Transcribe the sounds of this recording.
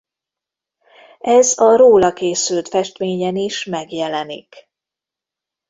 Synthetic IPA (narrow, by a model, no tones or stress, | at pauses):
ɛzɒɾoːlɒkeːsylt̪fɛʃt̪ʋeːɲɛniʃmɛɡjɛlɛnḭk